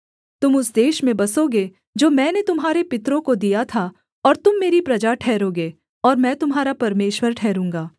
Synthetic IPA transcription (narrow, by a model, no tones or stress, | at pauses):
t̪ʊmʊsd̪eːʃmẽbɐsoɡe | d͡ʒoːmɛ̃ːnet̪ʊmɦaːɾepɪt̪ɾõkod̪ijat̪ʰa | ɔːɾt̪ʊmːeːɾipɾɐd͡ʒaʈʰɛːɾoːɡeː | ɔːɾmɛ̃ːt̪ʊmɦaːɾapɐɾmeːʃwəɾʈʰɛːɾũːŋ̆ɡaː